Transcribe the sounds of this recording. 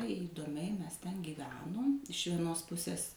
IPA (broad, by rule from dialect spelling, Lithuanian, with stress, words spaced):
iːdoːˈmʲɛɪ ˈmʲɛs tʲɛn ɡʲiːˈʋʲæːnoːm ɪʃ ʋʲiɛˈnoːs ˈpʊsʲeːs